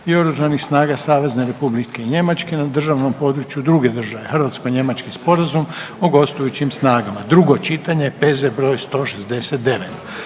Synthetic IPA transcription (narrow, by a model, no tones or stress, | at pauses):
io̞ɾuʒanixsnaːɡasaːʋe̞zne̞ɾe̞publike̞iɲe̞mat͡ʃke̞nad̪r̩ʒaʋno̞mpo̞ːd̪ɾut͡ʃjud̪ɾuɡe̞d̪r̩ʒaʋe̞xr̩ʋat̪sko̞jɲe̞mat͡ʃkispo̞ɾazum | oɡo̞st̪ujut͡ɕimsnaːɡamad̪ɾuɡo̞t͡ʃit̪aɲepezebɾo̞ːjst̪o̞ʃesd̪e̞set̪d̪e̞ʋet̪